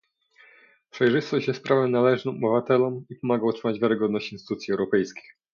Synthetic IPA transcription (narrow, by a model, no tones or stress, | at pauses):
pʂɛjʐɘst̪ɔɕd͡ʑjɛst̪̚pɾavɛmnalɛʐnɔmɔbɘvat̪ɛlɔmipɔmaɡaɔt̪ʂɘmad͡ʑvʲjaɾɘɡɔd̪nɔɕt͡ɕinsɘt̪ut̪sʲiɛwɾɔpɛjskʲi̥x